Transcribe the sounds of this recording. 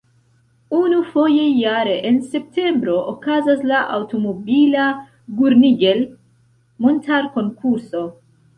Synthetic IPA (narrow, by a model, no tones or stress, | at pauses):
unufo̞je̞jaɾe̞ʔense̞p̚te̞mbɾo̞ʔokazaslaʔawto̞mo̞bila | ɡuɾniɡe̞l | montaɾko̞ŋkuɾso̞